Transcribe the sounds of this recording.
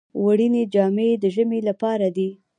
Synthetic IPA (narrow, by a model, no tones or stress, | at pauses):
waɽined͡ʒɑmed̪əʒəmelapɑɾad̪i